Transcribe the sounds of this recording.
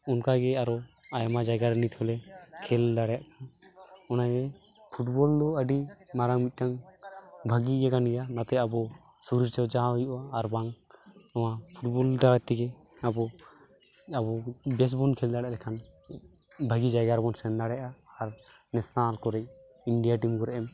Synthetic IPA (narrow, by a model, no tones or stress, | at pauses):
ɔnkaɡɛaɾɔajamad͡ʒajɡaɾnit̪ʰɔlɛkʰɛld̪aɽjaʔkanɔnaɡɛ | pʰuʈ̚bɔld̪ɔəɖimaɾaŋbic̪̚ˀʈaŋ | bʱaɡid͡ʒɛkanɡɛjanat̪ɛabɔ | suɾiɾt͡ʃawd͡ʒaɔjuʔaːɾbaŋnɔwapʰuʈ̚bɔld̪aɽat̪ːiɡɛ | abɔ | abɔbɛs̬bɔnkʰɛld̪aɽɛʔlɛkʰan | bʱəɡid͡ʒajɡaɾbɔnsɛnd̪aɽɛʔaːɾ | nɛsnalkɔɾɛc̚ | iɳɖijaʈimkɔɾɛʔɛm